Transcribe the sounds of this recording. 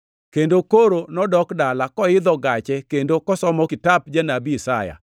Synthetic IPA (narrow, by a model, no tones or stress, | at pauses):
kendokoɾonɔdɔkdalakɔɪd̪ɔɡat͡ʃɛkendokɔsɔmɔkɪtap̚d͡ʒanabisaja̰